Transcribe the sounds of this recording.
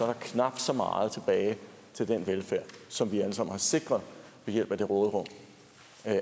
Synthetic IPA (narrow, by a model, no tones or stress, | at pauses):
sɒ̽ɐɾ̥ɑ̈kʰnɑ̈b̥d̥sɒ̽mɑ̰̈ːð̞̩ˠt͡sʰe̝b̥ɛːɪ | t͡sʰe̝ld̥enʋelfæɐ̰sɒ̽mʋiæləsɑ̈m̰n̩hɑ̈se̝ɡ̥ʁɐðˠʋejel̰b̥æd̥e̝ʁɔːðˠʁɔ̽m̰